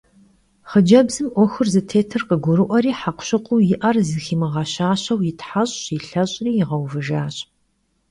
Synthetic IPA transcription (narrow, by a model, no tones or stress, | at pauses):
χəd͡ʒɐbzɨmʔʷɔxɨrzɨtʰeːtʰɨrqəɡʷʊɾɨʔʷɐɾiːħaqʷɕɪqʷʼʊːjɪʔɐrzɨxiːmɨʁɑɕaːɕɐwjɪtʰħaɕʼɕiɬɐɕʼriːjɪʁɐwvɨʒaːɕʼ